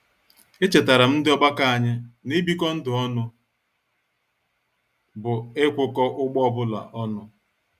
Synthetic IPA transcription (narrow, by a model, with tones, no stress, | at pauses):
e˦t͡ʃe˨ta˨ɾa˨m̩˦dɪ˦ɔ˦ɡ͡ba˦ka˦a˨ɲa˦ne˦bi˦kɔ˦n̩˦dʊ˨ɔ˦nʊ˦ | bʊ˨e˦kʷʊ˦kɔ˦ʔʊ˦ɡ͡bɔ˦ɔ˦bʊ˦la̰˨ʔɔ˦nʊ˦